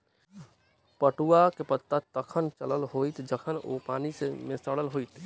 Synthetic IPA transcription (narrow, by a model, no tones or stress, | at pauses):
pəʈuakepət̪ːat̪əkʰənt͡ʃələlɦoːit̪d͡ʒəkʰəno̰paːnisemẽsəɽəlɦoːit̪